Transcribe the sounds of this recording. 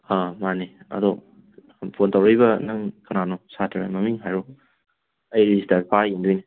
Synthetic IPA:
hamaniɐ̰dɔ | pʰontʰawɾijbɐnɐŋkɐnanɔsatʰɾamɐmiŋɦajɾu | ɐjɾisitapʰajindojni

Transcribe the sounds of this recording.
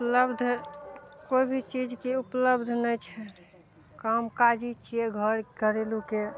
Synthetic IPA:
upləbd̪ʱ | koibʱit͡ʃid͡ʒkeupləbd̪ʱnəjt͡ʃʰɛ | kəmkad͡ʒit͡ʃieɡʱəɾkəɾeluke

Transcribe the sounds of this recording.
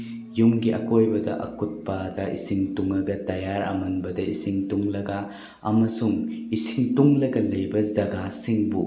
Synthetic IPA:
jumɡiʔɐ̰kojbɐdɐ̰ʔɐ̰kut̚padɐʔḭsiŋtuŋɐɡɐtɐjaɾɐ̰mɐnbɐdɐisiŋtuŋlɐɡa | ɐmɐsuŋisiŋtuŋlɐɡɐlɐjbɐzɐɡasiŋbu

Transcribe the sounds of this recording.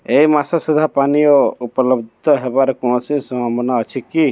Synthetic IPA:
ejmasasud̪ʱapanijɔuplɔbd̪ʱɔɦebaɾɔkɔ̃sĩsɔamɔnaət͡ʃʰiki

